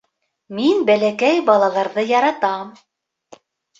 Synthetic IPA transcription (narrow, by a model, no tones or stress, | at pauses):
minbælækæjbɑlˠɑlˠɑɾðɤjɑɾɑt̪ɑm